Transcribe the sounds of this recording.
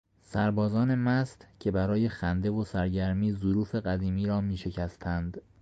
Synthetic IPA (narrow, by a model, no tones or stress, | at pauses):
sæɾbɒːzɒːne̞mæst̪cʰe̞bæɾɒːje̞xænd̪e̞vo̞sæɾɟæɾmiːzoɾuːfe̞ɣæd̪iːmiːɾɒːmiːʃe̞cʰæst̪ʰænd̪